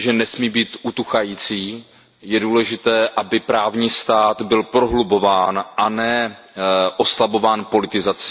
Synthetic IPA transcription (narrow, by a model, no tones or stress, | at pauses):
ʒɛnɛsmiːbiːt̪ʔut̪uxajiːt͡siː | jɛduːlɛʒɪt̪ɛːʔabɪpɾaːvɲiːst̪aːt̪bɪlpɾo̞ɦlubo̞vaːnʔanɛː | ʔo̞slabo̞vaːnpo̞lɪt̪ɪzat͡sɪ